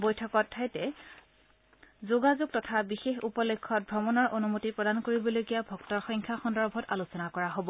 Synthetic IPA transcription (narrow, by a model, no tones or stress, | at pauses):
bojtʰɔkɔtʰːajtɛ | zoɡazoɡ̚tɔtʰabixexupɔlekʰːɔt̚bʱɹɔmɔnɔɹʔonumotipɹɔdankoɹibɔloɡijabʱɔktɔɹxɔjŋkʰaxɔndɔɹbʱɔtalusɔnakɔɹaɦobɔ